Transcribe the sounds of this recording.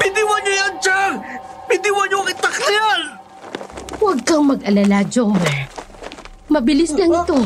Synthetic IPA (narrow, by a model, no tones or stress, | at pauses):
pɪd̪ɪwɐnojɐnd͡ʒanpɪd̪ɪwɐɲoŋɪt̪ɐksɪjan | wɐɡ̚kɐŋmɐɡɐlalad͡ʒoŋmɛ | mɐbɪlɪslɐŋɪt̪o̞